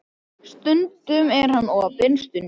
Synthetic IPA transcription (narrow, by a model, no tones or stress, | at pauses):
st̪ʏnt̪ʏmɛɾ̥hanːɔapɪnst̪ʏn